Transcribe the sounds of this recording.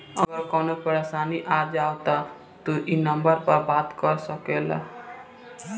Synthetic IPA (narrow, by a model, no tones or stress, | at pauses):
əɡəɾkɔnopəɾasaːniʔad͡ʒaːwt̪a | t̪oʔinəmbəɾpəɾbat̪kɔɾsəkela̰